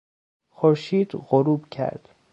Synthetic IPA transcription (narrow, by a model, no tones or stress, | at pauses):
xoɾʃiːd̪ɣoɾuːbcʰæ̰ɾd̪̥